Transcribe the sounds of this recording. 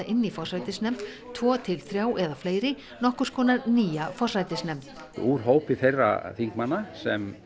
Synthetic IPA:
ʔɪnːifɔrrajt̪ɪsnɛm̥t̪ | t̪ʰvɔːt̪ʰɪlθɾjaːwʔɛðafleːjɾɪ | nɔhkʏɾ̥skɔːnaɾniːjafɔr̥rajt̪ɪsnɛmt̪ | uːɾ̥ɦoːwpɪθejrːa̰θiŋkmanːasɛm

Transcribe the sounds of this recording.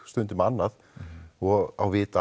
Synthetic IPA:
st̪ʏnt̪ʏmanːað | ɔɣawvɪːt̪a

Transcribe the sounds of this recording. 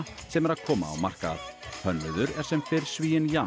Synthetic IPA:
sɛmɛɾaðkʰɔːma̰ːwmar̥ka̰hʰœnːɪðʏɾɛɾ̥sɛmfɪɾ̥sviːjɪnja

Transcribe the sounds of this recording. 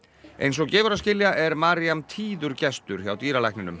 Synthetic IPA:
ḛjns̬ɔɣcɛːvʏɾaðscɪljaʔɛɾmaːɾiamt̪ʰiːðʏɾcɛst̪ʏɾ̥çawt̪iːɾalajhknɪnʏ̰m

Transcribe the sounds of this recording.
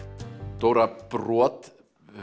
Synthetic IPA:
t̪owɾapɾɔɔt̪

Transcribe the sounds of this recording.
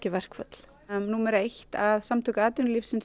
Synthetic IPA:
cɪvɛr̥kfœt̪l̥ | numɛɾejçt̪avsamt̪ʰʏkaːt̪ʏnlifsɪns

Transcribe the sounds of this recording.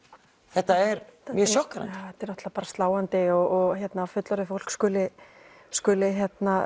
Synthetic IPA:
θɛht̪aɛɾmjœsjɔhkaɾa̰t̪ɛɾnɔht̪lapaːɾast̪laːwant̪ɪɔɣɔɣçjɛt̪nafʏt̪lɔɾɪfowl̥kskʏːlɪ | skʏːlɪçjɛt̪na

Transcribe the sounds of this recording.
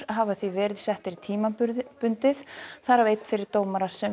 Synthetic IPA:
ɦavaθvivɛːɾɪðsɛht̪ɪɾt̪ʰiːmaʏɾpʏnt̪ɪθθaɾavejt̪n̥fɪɾɪɾ̥t̪oːwmaɾasɛ

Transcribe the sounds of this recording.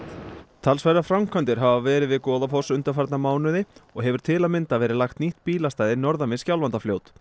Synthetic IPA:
t̪ʰalsvajɾafɾamkʰant̪ɪɾ̥ɦavavɛːɾɪðvɪðkɔːðafɔsʏnt̪aɾfaɾt̪namaːwnʏðɪɔɣɦɛvʏɾ̥t̪ʰɪlamɪnt̪avɛːɾɪlaxt̪niht̪piːlast̪aːjðɪnɔɾðamɪscjawlvant̪afljoːwt̪

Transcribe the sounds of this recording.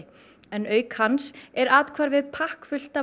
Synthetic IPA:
ɛnœːɥkhansɛɾaːt̪kʰvaːɾvɪðpʰahkfʏl̥t̪a

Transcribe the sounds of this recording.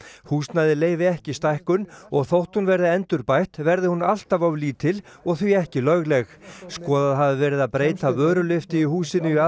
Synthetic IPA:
huːst̪naðɪleːjvɪɛhcɪst̪ajhkʏnɔɣθowht̪hunvɛɾðɪɛnt̪ʏɾpajht̪vɛɾðɪhunal̥t̪avawliːt̪ʰɪlɔɣθiɛhcɪlœɣlɛxskɔːðaðɦavðɪvɛːɾɪðaðpɾeːjt̪avœːɾʏlɪft̪ɪihuːsɪnʏia

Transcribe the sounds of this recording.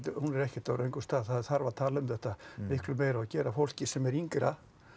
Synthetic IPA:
t̪hunɛɾɛhcɪ̥t̪ːaɾejŋkʏ̥st̪aːðθaðɪθaɾvat̪ʰaːlaʏmθɛht̪amɪhklʏmejɾaacɛːɾafowl̥cɪsɛmɛɾiŋkɾa̰

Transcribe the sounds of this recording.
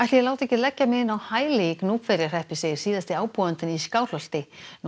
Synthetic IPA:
ajht̪lɪjɛlaːwt̪ɛhcɪlɛcːamɪɪnawhaːjleknuːpfɛɾjar̥ɛhpɪsejɾ̥siːðast̪ɪaːwpuðant̪ɪniskaːwlœlt̪ɪn

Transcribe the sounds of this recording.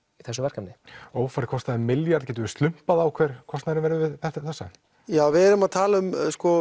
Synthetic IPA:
iθɛs̬ʏvɛɾ̥kamnɪoːwfaɾkʰɔst̪aðɪmɪljaɾðcɛːt̪ʏɪst̪lʏm̥paðaːwkʰv̥ɛːɾ̥kʰɔst̪naɾɪnvɛɾʏvɪðθɛt̪aθɛsːa̰ | jaːvɪɛɾʏmaðt̪ʰaːlaʏmskɔ

